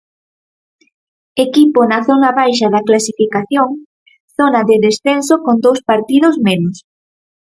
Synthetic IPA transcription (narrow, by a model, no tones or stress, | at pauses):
ekiponɐθonɐβajʃɐðɐklasifikaθjoŋ | θonɐðeðesθensokond̪owspaɾt̪iðʊsmenʊs